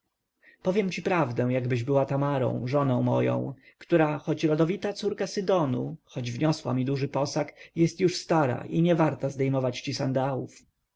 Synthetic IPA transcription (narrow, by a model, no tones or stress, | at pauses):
pɔvʲjɛmt͡ɕipɾavd̪ɛ̃jaɡbɘʑbɘwat̪amaɾɔ̰̃w̃ʐɔnɔ̃w̃mɔ̰jɔ̰̃w̃ | kt̪uɾaxɔt͡ɕɾɔd̪ɔvʲit̪at̪suɾkasɘd̪ɔnṵxɔd͡ʑvɲɔswa̰mʲid̪uʐɘpɔsakjɛst̪juʂst̪aɾa̰ʔiɲɛvaɾt̪azd̪ɛjmɔvat͡ɕt͡ɕisand̪awuf